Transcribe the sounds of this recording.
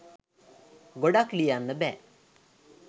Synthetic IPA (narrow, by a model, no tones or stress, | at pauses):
ɡoɖaklijanːəbɛ